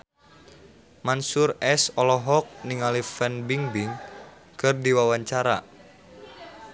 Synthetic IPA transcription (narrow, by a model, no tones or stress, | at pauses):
mansurɛsɔlɔɦɔk̚niŋalifɛnbiŋbiŋ | kɨrdiwawaɲt͡ʃaɾa̰